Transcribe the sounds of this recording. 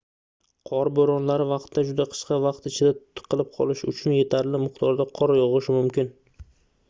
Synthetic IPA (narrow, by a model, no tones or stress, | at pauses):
qʰɒɾboɾɒnlaɾɪvɑqt̪ːad͡ʒʊd̪aqʰɨ̥ʃqɑvɑqt̪ɪt͡ʃʰɪd̪at̪ʰʊ̥t̪ʰːɨ̥qʰɨlˠɪp̚qʰɒ̰lˠɪʃʊt͡ʃʰʊnje̞t̪ʰaɾlɪmɪqt̪ʰɒɾd̪aqʰɒɾajɒʁɨʃɪmʊmkʲɪn